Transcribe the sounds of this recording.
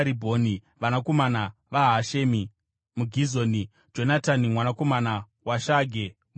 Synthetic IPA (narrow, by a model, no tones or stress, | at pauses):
ɾibʱo̞ːni | ʋanako̞mana | ʋaɦaʃeːmi | muɡʱizo̞ːni | d͡ʒo̞natanimwanako̞mana | waʃaɡʱe | m